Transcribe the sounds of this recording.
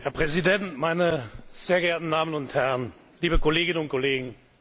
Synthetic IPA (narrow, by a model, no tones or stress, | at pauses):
hɛɐpʁ̥ɛzidɛntmaɪnəz̥eːɐɡɛːɐtn̩daːmənʊnthɛʁɐən | liːbəkɔleːɡɪnənʊnt̚kʰɔleːɡŋ̩